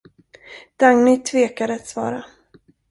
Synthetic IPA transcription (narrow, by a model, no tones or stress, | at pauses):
d̪̥aŋnʏt̪ʰveːkad̪əat̪svɑ̰ːɾa